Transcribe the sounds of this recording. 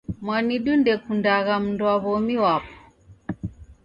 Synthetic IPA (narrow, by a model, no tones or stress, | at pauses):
mwaniɗundɛkundaɣam̩nduaβɔmiwapɔ̥